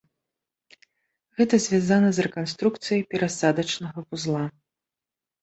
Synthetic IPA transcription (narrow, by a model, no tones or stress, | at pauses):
ɣɛt̪ɐzʲvʲazanɐzrɛkanst̪ɾuk̚t̪sɨjɐjpʲɛɾasad̪ɐt͡ʂnɐɣɐpuzlˠa